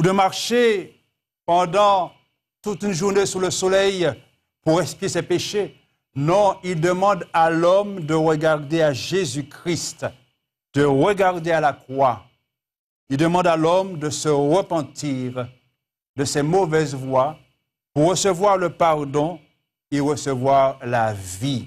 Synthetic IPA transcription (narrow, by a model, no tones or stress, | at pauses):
ud̪əmaʁʃe | pɑ̃d̪ɑ̃ | t̪ut̪ynʒuʁnesyʁləsɔlɛj | puʁɛ̃spjesɛpeʃe | nɔ̃ild̪əmɑ̃d̪alɔmd̪əʁəɡaʁd̪eaʒezykχist̪ | d̪̥əʁəɡaʁd̪ealakχwa | ild̪əmɑ̃d̪alɔmd̪əsəʁəpɑ̃t̪iʁ | d̪əsɛmovɛzvwa | puʁːəsəvwaʁləpaʁd̪ɔ̃ | eʁəsəvwaʁlavi